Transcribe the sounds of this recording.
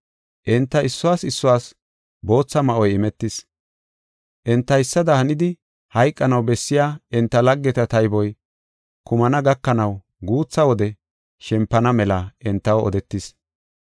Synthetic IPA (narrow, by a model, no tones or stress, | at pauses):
ʔɪnt̪ːɐɪsːʊwaːsɪsːʊwaːs | bo̞ːt͡sːɐmɐʔɔjɪmɛt̪ːɪs | ʔɛnt̪ːɐjɪsːɐd̪ɐhɐnɪd̪ɪ | hɐjkʼːɐnɐwbɛsːɪjaːɪnt̪ːɐlɐɡːɛt̪ɐt̪ɐjbɔj | kʊmɐnɐɡɐkːɐnɐw | ɡuːt͡sːɐwɔd̪ɛ | ʃɛmpːɐnɐmɛlaʔɛnt̪ːɐwɔ̰d̪ɛt̪ːɪs